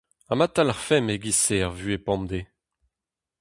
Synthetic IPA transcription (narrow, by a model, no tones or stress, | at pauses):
amat̪alaʁfɛmeɡiseaʁvyepɑ̃md̪e